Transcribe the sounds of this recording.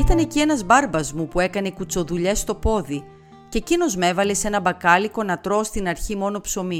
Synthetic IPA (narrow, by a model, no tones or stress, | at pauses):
it̪ɐne̞cie̞nɐzbɐɾbɐzmupue̞kɐnekut͡so̞ðuʎe̞st̪o̞po̞ði | cecino̞zme̞vɐle̞se̞nɐbɐkɐliko̞nɐt̪ɾo̞st̪inɐɾçimo̞no̞pso̞mi